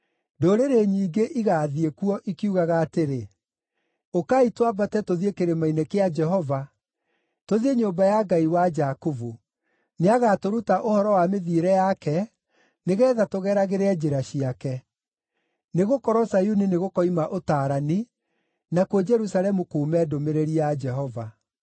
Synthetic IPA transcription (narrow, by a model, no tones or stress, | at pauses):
doɾeɾeɲiːɡeʔiɣaːðiekuɔʔikiuɣaɣaːteɾe | okaitwabatɛtoðiekeɾemainekead͡ʒɛɦɔva | toðieɲobajaɡaiwad͡ʒakovu | neaɣatoɾutaʔohɔɾɔwameðiːɾɛjakɛ | neɣɛːðatoɣɛːɾaɣeɾead͡ʑeɾaɕiakɛ | neɣokɔɾɔsajuneneɣokɔimaʔotaːɾani | nakwɔd͡ʒɛɾusalɛmukoːmɛːdomeɾeɾiad͡ʒɛɦɔva